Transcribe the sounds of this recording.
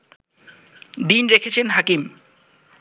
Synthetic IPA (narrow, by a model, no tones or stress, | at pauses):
d̪inɾekʰet͡ɕʰenɦakim